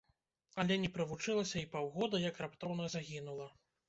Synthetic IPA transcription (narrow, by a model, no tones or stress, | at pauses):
alʲɛnʲɛpɾɐvut͡ʂɨlˠɐsʲɐipawɣɔd̪ɐjɐkrapt̪ɔwnɐzaɣʲinulˠɐ